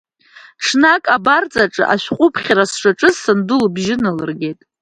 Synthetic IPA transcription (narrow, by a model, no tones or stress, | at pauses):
ʈ͡ʂʰnakʼabart͡sʼaʈ͡ʂʼɨ̰ʔaʃᶣqʷʼʊpʰχʲaɾasʂaʈ͡ʂʼɨzsɨndʊlbʒɪnɨlɨrɡʲe̞jtʼ